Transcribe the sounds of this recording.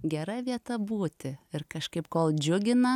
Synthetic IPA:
ɡʲɛɾɐʋʲiɛt̪ɐbuːt̪ʲɪɪɾkɐʃkɐɪpkoːlˠd͡ʒʲʊɡʲɪnɐ

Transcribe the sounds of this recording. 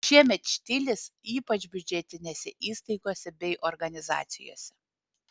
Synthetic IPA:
ʃʲiɛmʲɛt̪ʃʲt̪ʲɪlʲɪsiːpɐt͡ʃbʲʊd͡ʒʲɛt̪ʲɪnʲeːsʲɛʔiːst̪ɐɪɡoːsʲɛbʲɛɪʔɔɾɡɐnʲɪzɑ̰ːt̪sʲɪ̰jo̰ːsʲɛ

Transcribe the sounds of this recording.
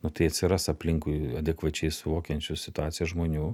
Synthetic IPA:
nʊt̪ɐɪɐt̪ʲsʲɪɾɐsɐpʲlʲɪŋkʊɪɐd̪ʲɛkʋɐt͡ʃʲɛɪsʊʋoːkʲɛnʲt͡ʃʲʊsʲɪt̪ʊaːt̪sʲɪjɛʒmoːnʲuː

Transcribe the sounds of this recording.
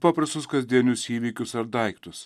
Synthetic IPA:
pɑpɾɐst̪ʊskɐzʲd̪ʲiɛnʲʊsiːʋʲiːkʲʊsɐɾd̪ɐɪkt̪ʊs

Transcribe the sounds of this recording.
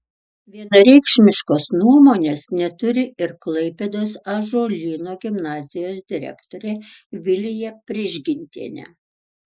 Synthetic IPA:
ʋʲiɛnɐɾʲɛɪkʃʲmʲɪʃkoːsnuɔmoːnʲeːsnʲɛt̪ʊɾʲɪɪɾklˠɐɪpʲɛd̪oːsɐʒoːlʲiːnoːɡʲɪmnɑːzʲɪjoːsd̪ʲɪɾʲɛ̰kt̪oːɾʲɛʋʲɪlʲɪjɛpʲɾʲɪʒʲɡʲɪnʲt̪ʲḭnʲɛ̰

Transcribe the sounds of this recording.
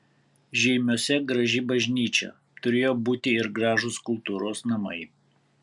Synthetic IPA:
ʒʲɛɪmʲoːsʲɛɡɾɐʒʲɪbɐʒʲnʲiːt͡ʃʲɛ̰ | t̪ʊɾʲeːjoːbuːt̪ʲɪɪɾɡɾɑːʒʊskʊlˠt̪uːɾoːsnɐmɐ̰ɪ

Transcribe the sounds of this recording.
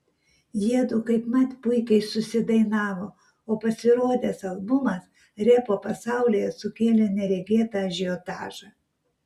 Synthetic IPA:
jiɛd̪ʊkɐɪpmɐt̪pʊɪkʲɛɪsʊsʲɪd̪ɐɪnɑːʋoː | oːpɐsʲɪɾoːd̪ʲesɐlˠbʊmɐs | ɾʲɛpoːpɐsɑˑʊlʲiːjɛsʊkʲeːlʲɛnʲɛɾʲɛɡʲeːt̪ɑʒʲɪot̪ɑ̰ːʒɐ

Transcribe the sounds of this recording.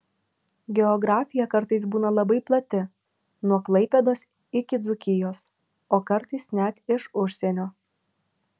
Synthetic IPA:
ɡʲɛɔɡɾɑːfʲɪjɛkɐɾt̪ɐɪs̬buːnɐlˠɐbɐɪplˠɐt̪ʲɪ | nuɔklˠɐɪpʲɛd̪oːs | ɪkʲɪd̪zʊkʲɪjoːs | oːkɐɾt̪ɐɪsnʲɛt̪ɪʃʊʃʲsʲenʲoː

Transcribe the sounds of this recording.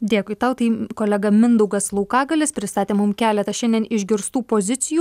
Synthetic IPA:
d̪ʲeːkʊɪt̪ɐʊt̪ɐɪkoːlʲɛɡɐmʲɪnd̪ʊɡɐslˠɐʊkɑːɡɐlʲɪspʲɾʲɪst̪ɑːt̪ʲeːmʊmkʲæːlʲɛt̪ɐʃʲɛnd̪ʲiɛnɪʒʲɡʲɪɾst̪uːpoːzʲɪt̪sʲɪjuː

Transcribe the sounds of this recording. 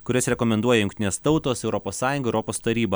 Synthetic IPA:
kʊɾʲɪsɾʲɛkomʲɛnd̪uɔjɛjʊŋkʲt̪ʲɪnʲeːst̪ɐʊt̪oːsɛʊɾɔpoːssɑːjʊŋɡɐɛʊɾɔpoːst̪ɐɾʲiːbɐ

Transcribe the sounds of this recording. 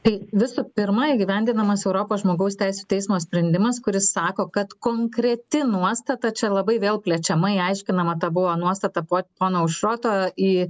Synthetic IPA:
t̪ɐɪʋʲɪsʊpʲɪɾmɐɪɡʲɪʋʲɛnʲd̪ʲɪnɐmɐsɛʊɾoːpoːsʒmoːɡɐʊst̪ʲɛɪsʲut̪ʲɛɪsmoːsʲpʲɾʲɛnʲd̪ʲɪmɐskʊɾʲɪssɑːkoːkɐt̪koːŋkɾʲɛt̪ʲɪnuɔst̪ɐt̪ɐt͡ʃʲɛlˠɐbɐɪʋʲeːlˠpʲlʲɛt͡ʃʲɛmɐiɐɪʃʲkʲɪnɐmɐt̪ɐbʊʋoːnuɔst̪ɐt̪ɐpoːpoːnoːʊʃɾoːt̪oːiː

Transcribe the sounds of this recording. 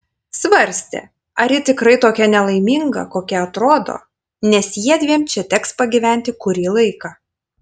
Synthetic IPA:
sʋɐɾʲsʲt̪ʲɛ̰ | ɐɾʲjɪt̪ʲɪkɾɐɪt̪oːkʲɛnʲɛlˠɐɪmʲiŋɡɐ̰koːkʲɛɐt̪ɾoːd̪o̰ː | nʲɛsjiɛd̪ʲʋʲiɛmt͡ʃʲɛt̪ʲɛkspɐɡʲiʋʲæˑnʲt̪ʲɪkʊɾʲiːlˠɐɪkɑː

